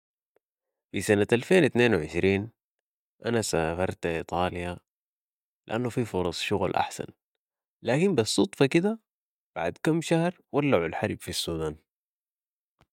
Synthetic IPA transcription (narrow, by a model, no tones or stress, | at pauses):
fisanaʔalfeːnt̪neːnwʕɪ̰ʃɾiːn | ʔanasafɑɾˤt̪ʔit̪ˤɑːlja | liʔanːufifʊɾˤɑsˤʃʊɣlʔa̰ħsa̰n | laːkimbɑsˤːut̪ˤfɑkid̪a | b̥aʕad̪kamːʃahɾ | walːaʕulħaɾˤbfisːuːd̪aːn